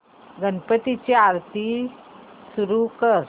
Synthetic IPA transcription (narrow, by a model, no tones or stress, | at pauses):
ɡənpət̪it͡ɕiaɾt̪i | suɾukəɾ